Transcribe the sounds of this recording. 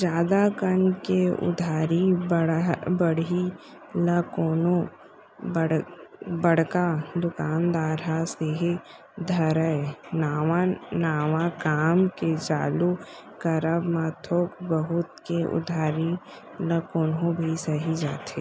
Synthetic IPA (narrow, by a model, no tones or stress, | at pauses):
d͡ʒjaːd̪akənkeʊ̰d̪ʱaːɾibbəɽi | ləkoːnõ | bəɽbəɽ̤kad̪ʊkaːnd̪aːɾɦaseɦi | d̪ʱɐɾəenawanaːʋakaːmket͡ʃa̰ːlukəɾəbmaːt̪ʰoːkbəɦʊt̪keʔʊ̰d̪ʱaːɾi | ləkoːnõbʱisɐɦid͡ʒaːt̪eː